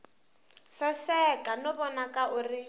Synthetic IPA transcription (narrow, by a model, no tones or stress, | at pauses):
sasɛkʼanɔbɔnakʼaʔʊrɪ